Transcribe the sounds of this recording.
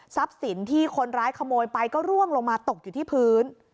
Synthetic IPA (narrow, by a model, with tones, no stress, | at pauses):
sa˦˥p̚si˩˦nt̪ʰiː˥˩kʰo˧nɾaː˦˥jkʰa˧moː˧jpa˧jkɔː˥˩ɾu˥˩əŋlo˧ŋmaː˧t̪o˨˩k̚juː˨˩iː˥˩pʰɯː˦˥n